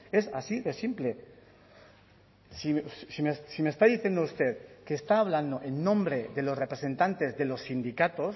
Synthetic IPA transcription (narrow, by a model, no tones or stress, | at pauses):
e̞sasiðe̞simple̞ | sisimessimest̪aðiθje̞nd̪oust̪e̞ðkeːst̪aːβ̞land̪oʔenːõmbɾe̞ðe̞lo̞sre̞pɾesẽ̞nt̪ant̪e̞zðe̞lo̞sːind̪ikat̪o̞s